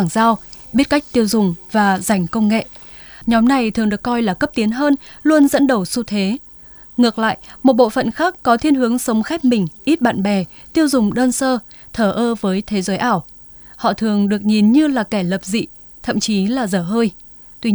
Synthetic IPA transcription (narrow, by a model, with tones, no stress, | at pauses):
a˧˩ŋzaː˧wɓi˦˥ət̚ka˦˥jk̟̚t̪i˧əwzʊ˨˩ŋ͡mvaː˨˩za˨˩jŋ̟kə˧wŋ͡mŋḛ˧˨ʔ | ɲɔ˨˦mna˨˩jt̪ʰɨ˨˩ŋɗɨ˨˩ə˩kːɔ˧jlaː˨˩kə˦˥p̚t̪i˨˦ənɦəː˧nlu˧ənzə̰˧˥nɗə˨˩wsu˧t̪ʰe˨˦ | ŋɨ˨˩ək̚la̰ː˧˨jmo˨˩t̚ɓo̰˧˨fə̰˧˨nxaː˦˥kkɔ˨˦t̪ʰi˧ənɦɨ˨˦əŋsə˨˦wŋ͡mxɛ˦˥p̚mï˨˩ŋ̟ʔi˦˥t̚ɓa̰ː˧˨nɓɛ˨˩ | t̪i˧əwzʊ˨˩ŋ͡mɗəː˧nsəː˧ | t̪ʰəː˧˩ʔəː˧vəː˨˦jt̪ʰe˨˦zəː˨˦jʔaː˧˩w | hɔ̰˧˨t̪ʰɨ˨˩əŋɗɨ˨˩ək̚ɲi˨˩nɲɨ˧laː˨˩kɛ˧˩lə˨˩p̚zḭ˧˨ | t̪ʰə̰˧˨mt͡ɕi˨˦laː˨˩zəː˧˩ɦəː˧j | t̪wi˧